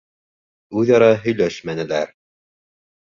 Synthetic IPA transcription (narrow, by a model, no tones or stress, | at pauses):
ʉðɑɾɑɦɵ̆jlæʃmænɘ̆læɾ